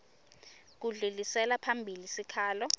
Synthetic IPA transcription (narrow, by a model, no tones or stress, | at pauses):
k̬uɮulisɛlapʰambʱilisikʰaːlɔ